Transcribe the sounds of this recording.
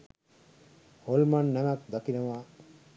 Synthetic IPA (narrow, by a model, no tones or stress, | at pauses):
holmanːɛmak̚d̪akinəʋa